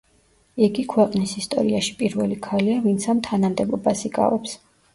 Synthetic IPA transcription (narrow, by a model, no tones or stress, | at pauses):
iɡikʰwɛqʼnisist̪ʼɔ̰ɾiaʃi̥pʼiɾvɛ̰likʰaliavint̪sʰamt̪ʰanamd̪ɛbɔbasikʼa̰vɛps